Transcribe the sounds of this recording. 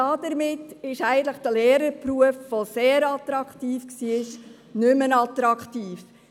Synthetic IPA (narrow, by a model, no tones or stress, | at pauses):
ɑːdəɾmɪtɪʃæɪɡən̩t̪ləχd̥əleːɾəɾpruəfʋoseːɾɑtɾɑkχtiːfksiːɪʃ | nʏmənɑt̪ɾɑktiːf